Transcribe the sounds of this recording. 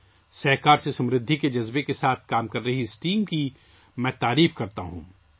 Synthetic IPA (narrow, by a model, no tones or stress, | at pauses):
sɐɦkaːɾsesɐ̃mɾɪd̪ʱːiked͡ʒɐzbekesaːt̪̚ʰkaːmkɐɾːɐɦiɪsʈiːmki | mɛ̃ːt̪aːɾiːfkɐɾt̪aɦṵ̃ː